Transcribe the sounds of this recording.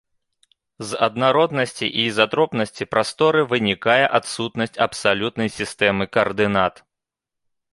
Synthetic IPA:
zɐd̪naɾɔd̪nɐsʲt͡sʲḭʔizat̪ɾɔpnɐsʲt͡sʲipɾast̪ɔɾɨvɨnʲikajɛʔat̪sut̪nɐsʲt͡sʲɐpsalʲut̪nɐjsʲist̪ɛmɨkɐrd̪ɨnat̪

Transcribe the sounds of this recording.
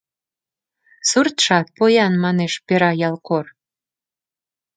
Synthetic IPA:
surt̪ʃɑt̪̚pojɑnmɑneʃpeɾɑjɑlˠkor

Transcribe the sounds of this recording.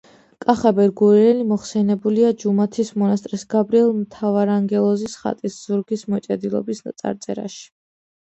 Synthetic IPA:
kʼaχabɛɾɡuɾiɾɛlimɔχsɛnɛbuliad͡ʒumat̪ʰismɔnast̪ʼɾisɡabɾiɛlˠmt̪ʰavaɾaŋɡɛlˠɔzisχa̰t̪ʼisz̥uɾɡismɔt͡ʃʼɛd̪ilˠɔ̰bisat̪sʼa̰ɾt̪sʼɛ̰ɾa̰ʃi̥

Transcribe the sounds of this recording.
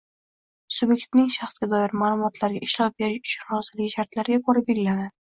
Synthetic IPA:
subje̞kt̪nɪŋʃaχsɡʲad̪ɒjɪɾmaːlˠʊmɒt̪ʰlaɾɡʲa̰ɪʃlɒp̚beɾɪʊ̥t͡ʃʰʊnhɒzɪlɪɡʲɪʃaɾt̪laɾɡʲakʰoɾabeɡʲlanad̪ɪ

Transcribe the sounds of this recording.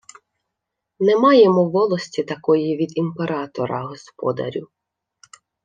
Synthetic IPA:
nɛmɑjemɔwʋːɔlˠɔsʲtʲit̪ɐkɔjiʋʲid̪impeɾɑt̪ɔ̰ɾɐɦɔspɔ̰d̪ɐ̰ɾʲʊ

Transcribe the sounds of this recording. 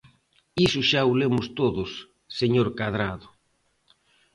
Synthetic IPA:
isʊʃaulemʊst̪oðʊsː | eɲoɾkað̞ɾaðʊ

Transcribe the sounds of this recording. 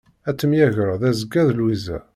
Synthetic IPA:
æt͡sːəmjæʝəɾðæzəɡæðlwizæ̰

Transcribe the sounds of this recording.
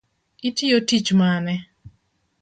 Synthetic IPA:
itiotit͡ʃmanɛ

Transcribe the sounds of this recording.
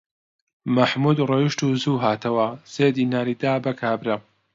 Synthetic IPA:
mɐħmud̪rejiʃt̪uːzuːɦaːt̪ʰɐwɐz̥eːd̪iːnaːɾiːd̪aːbɐkʰaːbɾɐ

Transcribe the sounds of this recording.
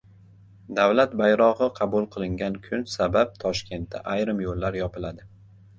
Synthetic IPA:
d̪awlat̪bajɾɒʁɨqʰɑbʊlˠqʰɨlˠɪŋɡʲankʰʊnsabap̚t̪ʰɒʃkʲe̞nt̪̚d̪a̰ʔajɾɪmjolːaɾjɒpɪlad̪ɪ

